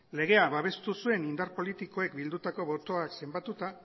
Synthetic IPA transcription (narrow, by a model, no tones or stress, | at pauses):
le̞ɣ̞e̞aβaβ̞e̞st̪usue̞nind̪aɾpo̞lit̪iko̞e̞kbild̪ut̪ako̞βo̞t̪o̞akse̞mbat̪ut̪a